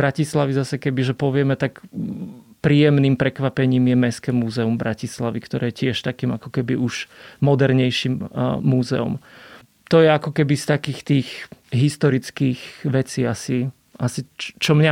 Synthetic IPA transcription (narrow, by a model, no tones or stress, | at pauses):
bɾacislaʋizasɛkɛbiʒɛpɔʋɪɛmɛt̪ak | pɾiːjɛmniːmpɾɛkʋapɛɲiːmjɛmɛskɛmuːzɛumbɾʔacislaʋikt̪ɔɾɛːjɛcɪɛʃt̪akiːmakɔ̥kɛbiʔuʃmɔd̪ɛɾɲɛjʃiːmːuːzɛ̰ɔ̰m | t̪ɔjɛakɔkɛbist̪akiːxt̪iːxɦist̪ɔɾit͡skiːxʋɛt͡siːasi | ʔasit͡ʃɔmɲa